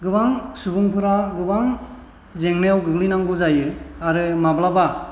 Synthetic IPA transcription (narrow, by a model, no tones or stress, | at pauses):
ɡɯbaŋsubuŋpʰɯɾaɡɯbaŋ | zeŋnejawɡɯɡlinaŋɡuzajɯaɾɯmablaba